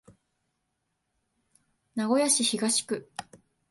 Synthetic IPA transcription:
naɡo̞jaɕiçiɡaɕi̥kɯ̟

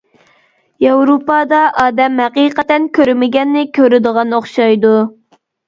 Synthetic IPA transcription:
jɑwɾupɑd̪ɑʔɑːd̪ɛmhæqiqɛt̪ːɛnkʲʰøɾmɪɡʲɛnːɪkʲʰøɾɪd̪əʁɑnoχʃɑjd̪u

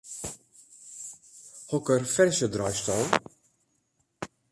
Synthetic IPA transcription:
hɔkərfɛrsədrɑjstɔlˠ

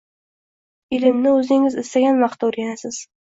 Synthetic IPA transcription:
ɪlɪmnɪɵzɪŋɪzɪst̪aɡʲanmaχt̪uɾʲanasɪz̥

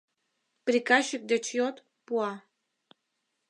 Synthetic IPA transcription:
pɾikaʃik̚d̪et͡ʃjot̪ | puɑ

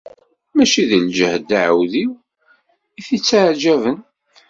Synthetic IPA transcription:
mæʃiðld͡ʒəhd̪aʕəwðiw | iθit͡sːaʕd͡ʒævən

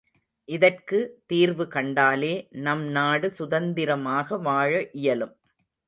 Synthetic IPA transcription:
ʔɪðɐrkɯt̪iːɾʋɯkɐɳɖaːleːnɐmnaːɽɯsʊðɐnd̪ɪɾɐmaːɣɐʋaːɻɐʔɪjɐlɯm

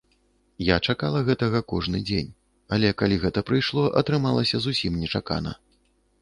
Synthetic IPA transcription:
jat͡ʂakalˠɐɣɛt̪ɐɣɐkɔʐnɨd͡zʲenʲ | alʲɛkalʲiɣɛt̪ɐpɾɨjʂlˠɔʔɐ̰t̪ɾɨmalˠɐsʲɐzusʲimnʲɛt͡ʂaka̰nɐ̰

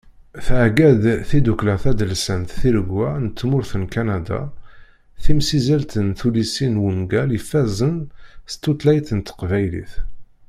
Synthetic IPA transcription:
θʕɡæd̪θid̪uklæθæd̪əlsənt̪θiɾəɡːænət̪ːmʊɾθənkænad̪a̰ | θimsizælt̪ənθulisinwənɡæljəfːæzənst̪ːot̪ˤlæjθənt̪ə̥qvæjlḭθ

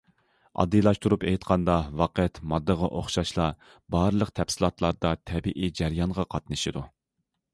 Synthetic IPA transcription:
ɑ̰d̪ːɨlˠɑʃt̪uɾupejt̪qʰɑnd̪ɑwɑqæt̪mɑd̪ːəʁɑʔoχʃɑʃlˠɑ | bɑɾɨlˠəqt̪ʰɛpsɨlˠɑt̪ʰlˠɑɾd̪ɑt̪ʰɛbiʔid͡ʒæɾjɑnʁɑqʰɑt̪̚nɨʃid̪u

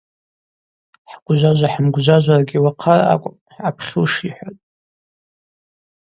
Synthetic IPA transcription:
ħɡ̥ʷʒʷaʒʷaħəmɡʷʒʷaʒʷarɡʲiwaqʰaraa̰kʷʼ | apʰχʲɨwʂiħʷatʼ

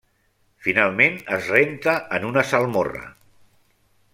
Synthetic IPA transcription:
finalˠmenəzrent̪əənunəsalˠmorə̰

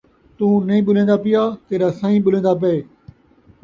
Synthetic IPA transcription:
t̪ũːnɐĩːɓʊlẽːnd̪aːpɪjaːt̪eːɾaːsãːĩːɓʊl̤ẽːnd̪aːp̬eeː

